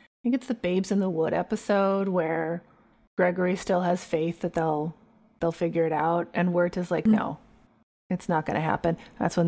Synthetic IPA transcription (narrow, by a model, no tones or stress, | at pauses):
θɪ̃ŋkɨtsðɨbeɪbzɨ̃nðəwʊɾɛ̰pɨsoʊd̚wə˞ | ɡ̥ɹɛɡə˞istɪlˠəz̥feɪθðɨt̪̚ðeɪlˠ | ðeɪlˠfɪɡjə˞ɨɾaʊt̚ɨ̃nwə˞ɾɨzlaɪk̚no̰ʊ | ɨtsnət̚ɡ̥ʌ̰ñʔɨɦæ̰pɨ̃nðæ̰tswə̃n